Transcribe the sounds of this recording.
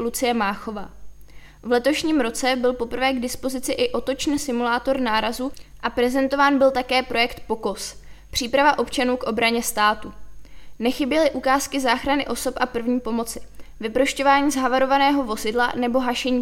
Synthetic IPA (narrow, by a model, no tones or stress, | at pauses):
lut͡sɪjɛmaːxo̞vaː | vlɛt̪o̞ʃɲiːmɾo̞t͡sɛbɪlpo̞pr̩vɛːɡdɪspo̞zɪt͡sɪʔɪʔo̞t̪o̞t͡ʃnsɪmulaːt̪o̞ɾnaːɾazuːʔapɾɛzɛnt̪o̞vaːnbɪlt̪akɛːpɾo̞jɛkt̪po̞ko̞spr̥iːpɾavaʔo̞pt͡ʃanuːkʔo̞bɾaɲɛst̪aːt̪unɛxɪbjɛlɪʔukaːskɪzaːxɾanɪʔo̞so̞pʔapr̩vɲiːpo̞mo̞t͡sɪ̥vɪpɾoʃco̞vaːɲiːzɦavaɾo̞vanɛːɦo̞vo̞zɪdlanɛbo̞ɦaʃɛɲiː